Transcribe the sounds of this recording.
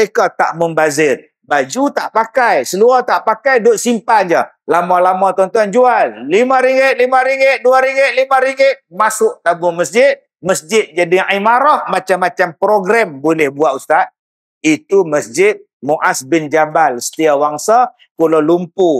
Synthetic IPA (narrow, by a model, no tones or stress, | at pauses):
ekat̪a̰ʔməmbazɪr | bad͡ʒut̪aʔpakajsəluat̪aʔpakajdʊʔ̪simpand͡ʒə | lamalamat̪ɔnt̪ɔnd͡ʒualːimãɾiŋɪʔ̪̚limãɾiŋɡɪʔ̪̚duaɾiŋɡɪʔ̚limãɾiŋɪʔ̪̚masʊʔt̪abuməsd͡ʒɪt̪̚ | məsd͡ʒɪt̪̚d͡ʒadiaimaɾɔhmat͡ʃamːat͡ʃampɾoɡɾambolɛhbuat̪ust̪at̪̚ | it̪uməsd͡ʒɪt̪̚ | muʔasbɪnd͡ʒabalsə̥t̪iawaŋsa | kulalumpu